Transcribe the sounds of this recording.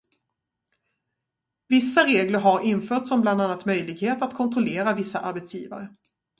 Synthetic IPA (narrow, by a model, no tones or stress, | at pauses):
vɪsːaɾeːɡləɾɦaɾɪnfœːʈsɔmbland̪anːat̪mœjlɪɡheːt̪at̪kʰɔnt̪ɾɔleːɾavɪsːaʔaɾbɛt̪sjiːva̰ɾə